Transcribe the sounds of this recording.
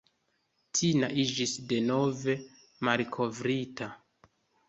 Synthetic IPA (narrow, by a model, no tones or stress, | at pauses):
tʰinaʔid͡ʒisde̞no̞ve̞ | malkʰo̞vɾita